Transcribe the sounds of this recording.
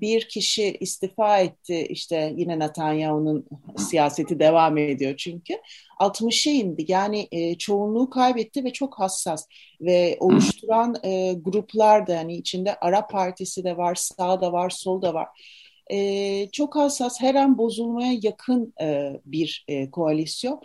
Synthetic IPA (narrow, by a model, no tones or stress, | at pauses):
biɾcʰiʃiʔist̪ʰifaːɛt̪ʰːɪḭʃt̪ʰɛjinɛnat̪ʰanjaununsijaːse̞t̪ʰid̪e̞vaːmed̪ijo̞t͡ʃʰyɲcʰy | alˠt̪mɯʃejind̪ijaːnɪʔt͡ʃʰo̞unlˠuːkʰajbɛt̪ʰːivɛt͡ʃʰo̞khasːas | vɛo̞lˠuʃt̪ʰuɾanɯɡuɾuplˠaɾd̪ahaniːt͡ʃʰind̪ɛʔaɾapʰːaɾt̪ʰisid̪ɛvaɾsaːd̪avaɾsolˠd̪ava̰ɾ̥ | ɛːt͡ʃʰo̞khasːasheɾænbo̞zulˠmajajakʰɯnɯːbiɾkʰo̞alʲisjo̞n